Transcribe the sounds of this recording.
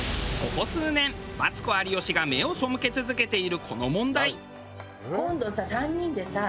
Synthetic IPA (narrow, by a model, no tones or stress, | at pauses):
ɡ̥o̞ko̞sɨːnẽ̞mbat͡sɨ̥ko̞aɾʲijo̞ɕiɡame̞o̞so̞mɯ̟ke̞t͡sɨzɨke̞t̪e̞iɾɯ̟kʰo̞no̞mõ̞nd̪ai | kõ̞nd̪o̞sasãɲ̟ːĩnd̪e̞sa